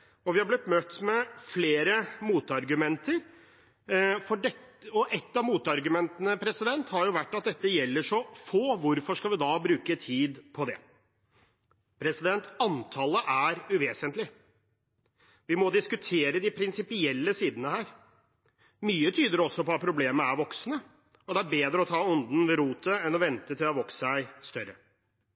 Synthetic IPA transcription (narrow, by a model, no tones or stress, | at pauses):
ɔʋɪhɑɾblɪt̪ːmœt̪ːmɛfleːɾəmuːt̪ɑɾɡʉmɛnt̪əɾ | fɔɖɛɔʔɛt̪ːɑʋmuːt̪ɑɾɡʉmɛnt̪ənəpʰɾɛsɪd̪ɛnt̪hɑɾjʊʋæʈːɑt̪̚d̪ɛt̪ːəjɛlːəʂɔfoːʋʊɾfɔʂkɑlʋɪd̪ɑbɾʉːkət̪ʰiːd̪pʰɔd̪ɛ̰ | pʰɾɛsɪd̪ɛnt̪ɑnt̪ʰɑləʔæɾʉʋeːsənt̪lɪ | ʋɪmɔd̪ɪskʉt̪ʰeːɾəd̪ɪpʰɾɪnsɪpɪɛlːəsiːd̪ənəhæːɾ | myːət̪ʰyːd̪əɾɔsːɔpɔɑt̪̚pʰɾʊbleːməæɾʋɔksnə | ɔd̪ɛæɾbeːd̪ɾəɔt̪ʰɑːɔnd̪n̩ʋɛɾuːt̪ʰəɛnɔʋɛnt̪ət̪ʰɪlɔʋɔksæɪst̪œɾə